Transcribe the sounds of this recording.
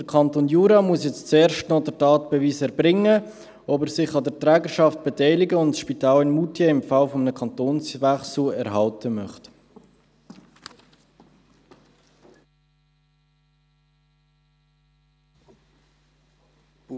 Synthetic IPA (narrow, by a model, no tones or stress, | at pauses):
d̥əɾkʰɑntonjuːɾɑmuəsjɛt͡stt͡sɛːɾʃtnɔdəɾtɑːt̚b̥ɛviːsɛɾbɾɪŋːə | ɔbəɾsɪχɑdəɾtʁɛːɡəɾʃɑft̚b̥ɛtɛɪlɪɡəʊntʃpitɑːlɪnmutjeɪmfɑlfɔmənəkʰɑntoːnsvɛχsulɛɾɦɑltʰəmœχt